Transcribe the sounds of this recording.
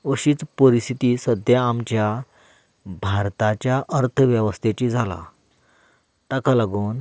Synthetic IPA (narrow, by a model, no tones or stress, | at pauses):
əɕiːt͡spəɾist̪ʰit̪iːsəd̪jaːmt͡ɕja | bʱaɾt̪at͡ɕjaʔəɾt̪ʰəʋjəʋəst̪ʰet͡ɕid͡zʱala̰ | t̪akalaɡuːn